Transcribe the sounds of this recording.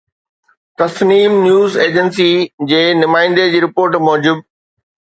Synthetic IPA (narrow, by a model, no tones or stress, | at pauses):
t̪ɐsniːmnjuːzeːd͡ʑənsid͡ʑeːnʊmaːɪ̃n̆d̪ed͡ʑiːɾɪpoːɾʈmɔːd͡ʑɪb̚